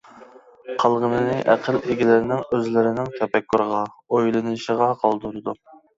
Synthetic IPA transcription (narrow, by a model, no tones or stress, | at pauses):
qʰɑlˠʁənɨnɪʔæqʰəlʰeɡʲilɪɾɪnɪŋøzlɪɾɪnɪŋkʲʰɛpɛkʰːoɾəʁɑ | ojlˠɨnɨʃəʁɑqʰɑlˠd̪uɾɨd̪u